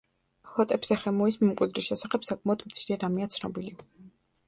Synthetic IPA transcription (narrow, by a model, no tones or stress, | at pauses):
hɔt̪ʼɛbz̥ɛχɛmuismimkʼwid̪ɾisʃɛsaχɛpsakʼmaɔd̪mt̪sʰiɾɛɾamiat̪sʰnɔ̰bili